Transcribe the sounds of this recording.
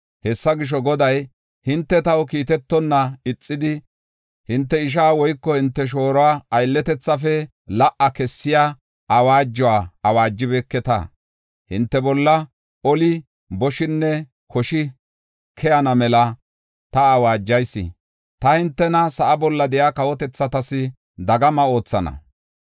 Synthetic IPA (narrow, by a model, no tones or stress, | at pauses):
hɛsːɐɡɪʃ̬ɔɡɔd̪ɐj | hɪnt̪ːɛt̪ɐwkiːt̪ɛt̪ːɔnːɐɪt͡sʼːɪd̪ɪ | hɪnt̪ːɛɪʃ̬aːwɔjkːɔhɪnt̪ːɛʃ̬o̞ːɾɔwaːɐjlːɛt̪ɛt͡sːɐfɛ | lɐʔɐkɛsːɪja | ʔɐwaːd͡ʒːɔwaːɐwaːd͡ʒːɪbɛkːɛt̪a̰ | hɪnt̪ːɛbɔlːɐ | ɔlɪ | bɔʃɪnːɛ | kʰɔʃɪ | kʰɛjɐnɐmɛlɐ | t̪ɐːwaːd͡ʒːɐjsːɪ̰ | t̪ɐhɪnt̪ːɛnɐsɐʔɐbɔlːɐd̪ɛjaːkɐwɔt̪ɛt͡sːɐt̪ɐsɪ | d̪ɐɡɐmɐo̞ːt͡sːɐnɐ̰